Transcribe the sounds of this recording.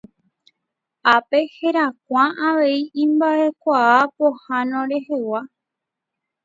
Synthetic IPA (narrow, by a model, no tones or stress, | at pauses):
ape̞he̞ɾak̚ʷãaʋe̞iĩmbaʔe̞kʷaapohãnõɾe̞he̞wa